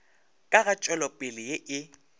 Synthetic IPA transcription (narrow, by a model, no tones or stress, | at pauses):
kʼaɣat͡ʃʼwɛlɔpʼɪlɪjɪʔɪ